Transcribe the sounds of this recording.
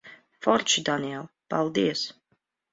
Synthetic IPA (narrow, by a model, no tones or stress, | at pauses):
fɔɾt͡ʃʰid̪aniɛlˠb̥alˠd̪iəs